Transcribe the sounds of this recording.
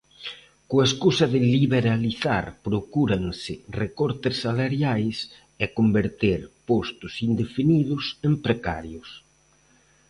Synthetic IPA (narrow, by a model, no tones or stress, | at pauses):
koaeskusɐðɪliβeɾaliθa̰ɾpɾokuɾaŋsɪrekɔɾt̪ɪsːalaɾjajs | ɛkombeɾt̪eɾpost̪ʊsind̪efiniðʊsempɾeka̰ɾjʊs